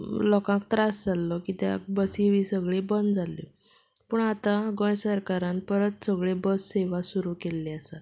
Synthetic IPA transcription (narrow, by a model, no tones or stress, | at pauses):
lɔkãk̚t̪ɾasd͡zalːɔkit̪a̰k̚bəsiʋisəɡɭebənd̪d͡zʱalḭ | puːɳat̪ãɡə̃jsəɾkaɾãnpəɾət̪səɡɭebəsːeʋasuɾukelːeəsat̪̚